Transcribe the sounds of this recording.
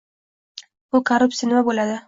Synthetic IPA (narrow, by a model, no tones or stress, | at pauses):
bʊkʰaɾʊpsʲinɪmabolad̪ɪ